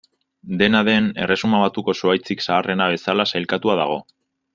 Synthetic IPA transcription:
d̪e̞naðe̞ne̞̰re̞sumaβat̪uko̞soajt͡siksaːrʔe̞naβ̞e̞salasajlkat̪uað̞aɣ̞o̞

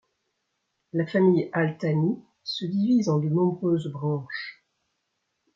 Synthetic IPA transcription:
lafamijalt̪ani | səd̪ivizɑ̃d̪ənɔ̃bʁøzbʁɑ̃ːʃ

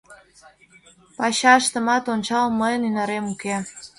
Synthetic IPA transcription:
pɑɕɑəʃt̪əmɑt̪ont͡ɕɑlməjənynɑɾemuke

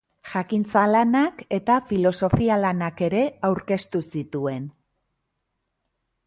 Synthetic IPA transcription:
ʝakint͡salanake̞t̪afilo̞so̞fialanake̞ɾe̞awɾke̞st̪usit̪ue̞n

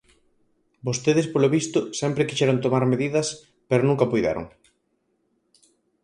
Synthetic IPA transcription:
bost̪eðɪspoloβist̪ʊsɛmpɾekiʃɛɾoŋt̪omaɾmeðiðɐs | peɾonũŋkɐpujða̰ɾo̰ŋ

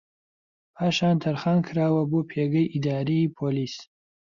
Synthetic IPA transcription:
pʰaːʃaːnt̪ʰɐɾχaːnkʰɾaːwɐbopʰeɡɐjʔid̪aːɾiipʰoliːs

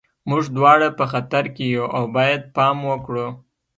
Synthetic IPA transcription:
muʐd̪wɑɽapəxat̪aɾkejuʔawbɑjad̪̚pɑmwəkɽu

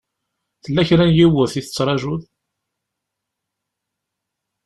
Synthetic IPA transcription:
θəlːæçɾænjiwəθiθət͡sːɾˤɑʒʊð

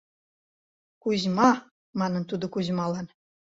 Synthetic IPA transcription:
kuʑmɑ | mɑnə̆nt̪ud̪ŏkuʑmɑlɑn

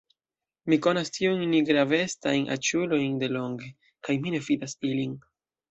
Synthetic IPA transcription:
miko̞nastʰiujnniɡɾave̞stajnʔa̰t͡ʃulo̞jnde̞lo̞ŋɡe̞ | kajmine̞fidasilin

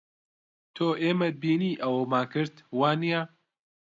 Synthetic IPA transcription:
t̪ʰoːʔeːmɐd̪̚biːniːʔɐwomaːkʰɨɾt̪waːnija

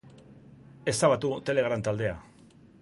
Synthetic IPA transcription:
e̞st̪aβat̪ut̪e̞le̞ɣ̞ɾant̪ald̪e̞a

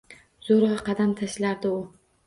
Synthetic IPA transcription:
zoɾɑqɑd̪amt̪ʰaʃlaɾd̪ɪʊ

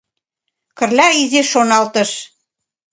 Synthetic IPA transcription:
kə̆rlʲæizeʃonɑlt̪ɤ̆ʃ

